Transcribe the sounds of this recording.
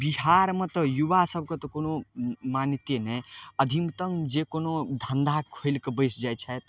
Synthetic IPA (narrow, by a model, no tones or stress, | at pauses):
biɦaɾmʌt̪əjubasəb̚ʱkot̪ɔkonomanit̪enəjəd̪ʱimt̪əŋd͡ʒekonod̪ʱənd̪ʱakʰojlkebəjsd͡ʒajt͡ʃʰajt̪